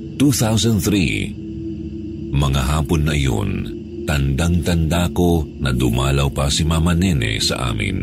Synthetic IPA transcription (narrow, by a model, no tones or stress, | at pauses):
t̪uθawsɐnd̪θɾḭ | mɐŋaɦaːponːɐʔɪjo̞̰n | t̪ɐnd̪aŋt̪ɐnd̪aːko̞nɐd̪ʊmaːlɐwpɐsimamɐnɛnɛ̰sɐ̰ʔa̰ːmɪ̰n